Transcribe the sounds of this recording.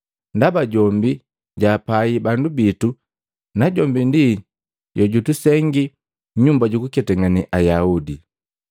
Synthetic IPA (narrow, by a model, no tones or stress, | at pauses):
ndabaɟɔmbi | ɟaːpaibandubitu | naɟɔmbindi | ɟɔɟutusɛŋɡi | ɲumbaɟukukɛtɛŋaniʔajaudi